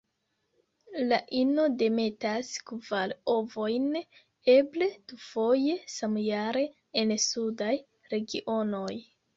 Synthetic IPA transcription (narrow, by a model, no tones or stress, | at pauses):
laʔino̞de̞me̞taskvalo̞vo̞jn | e̞ble̞d̥ufo̞je̞samjaɾe̞ː | nsudaj | ɾe̞ɡiʔo̞no̞j